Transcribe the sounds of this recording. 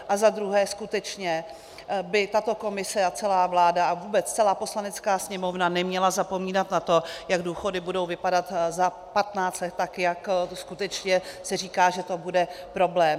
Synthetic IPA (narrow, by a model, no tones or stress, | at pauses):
ʔazad̪ɾuɦɛːskut̪ɛt͡ʃɲɛ | bɪt̪at̪o̞ko̞mɪsɛat͡sɛlaːvlaːdaavuːbɛt͡st͡sɛlaːpo̞slanɛt͡skaːsɲɛmo̞vnanɛmɲɛlazapo̞miːnat̪nat̪o̞jaɡduːxo̞dɪbudo̞wvɪpadat̪za | pat̪naːt͡st̪lɛt̪ːakjakskut̪ɛt͡ʃɲɛsɛriːkaːʒɛt̪o̞budɛ | pɾo̞blɛːm